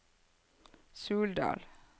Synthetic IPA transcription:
sʉːld̪ɑ̰ːl

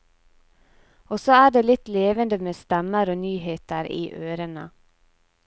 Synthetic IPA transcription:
ɔsɔæːɖeːlɪt̪leːʋənd̪əmeːst̪ɛməɾoːnyːheːt̪əɾḭːʔøːɾənə

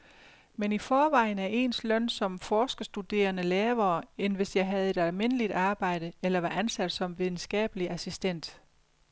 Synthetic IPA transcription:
menifɒːʋɑ̈ɪn̩æɐʔe̝ːnslœn̰sɒ̽mfɒːsɡ̥ɐsd̥ud̥e̝̰ːɐnəlɛːɐːenʋe̝sjɑ̈ɪɦæð̞̩ˠe̝d̥ælme̝n̰əlid̥ɑ̈ːb̥ɑ̈ɪ̰d̥əelɐʋɑ̈ʔænsæd̥sɒ̽mʋið̞ˠn̩sɡ̥ɛ̰ːb̥əliʔæsisd̥en̰d̥

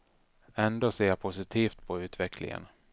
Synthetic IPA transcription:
ɛnd̪oːseːapʰʊsɪt̪ʰiːft̪pʰɔʉ̟ːt̪vɛkʰlɪ̰ŋə̰n

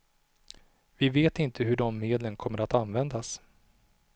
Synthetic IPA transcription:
vɪveːt̪ɪnt̪ʰəɦɵɖɔmːeːd̪lənkʰɔmːəɾat̪anvɛnd̪as

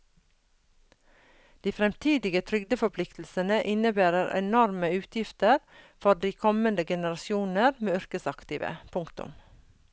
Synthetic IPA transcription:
d̪̥iːfɾɛmt̪ʰiːd̪ɪɡət̪ʰɾʏɡd̪əfɔpʰlɪkt̪l̩sənəʔɪnəbæːɾəɾʔɛ̰nɔɾməʉːt̪ʰjɪft̪əɾfɔdiːkʰɔmənd̪əɡɛnəɾɑsjuːnəɾmeːʏɾkəsɑkt̪iːʋə̰pʰʊŋkt̪ʊ̰m

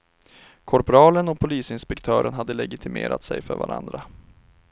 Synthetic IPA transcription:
kʰɔɾpʊɾɑːlənɔpʰʊliːsɪnspɛkt̪ʰœːɾənɦad̪ːəlɛɡɪt̪ʰɪmḛːɾat̪sɛjfœɾvaɾʔa̰nd̪ɾa

